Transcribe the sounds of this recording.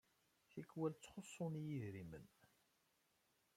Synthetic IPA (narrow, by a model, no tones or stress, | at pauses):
θikːwælt͡sːχosˤːʊnjiðɾimən